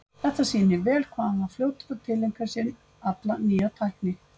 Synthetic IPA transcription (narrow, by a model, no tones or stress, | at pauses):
θɛht̪ːasiːnɪvɛːlkʰvaːmafljoːwt̪ɪðat̪ʰɪlːejŋkaɾsɪn | at̪laniːat̪ʰajhknɪ